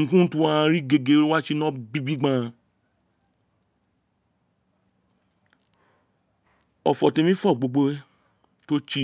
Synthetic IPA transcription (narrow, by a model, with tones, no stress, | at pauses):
kũ˦tũ˦ã˦˧ã˧ɾi˦ɡe˧ɡe˧˦ɾo˦wa˦t͡ʃi˦nɔ̃˦bi˦bi˦ɡ͡bã˦˧˨ | ɔ̰˨fɔ˨tẽ˧mĩ˦fɔ˦˨ɡ͡bo˧ɡ͡bo˦ | to˦t͡ʃi˦